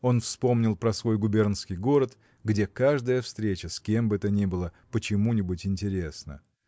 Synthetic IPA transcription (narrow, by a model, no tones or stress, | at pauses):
o̞nfspo̞mnʲɪlˠpɾɐsvo̞jɡʊbʲernskʲɪjɡo̞ɾət̪ | ɡdʲe̞kaʐd̪əjəfst̪ɾʲet͡ɕəskʲe̞mbɨɛt̪ənʲibɨlˠəpət͡ɕɪmunʲɪbʊtʲɪnʲtʲɪɾʲe̞snə̰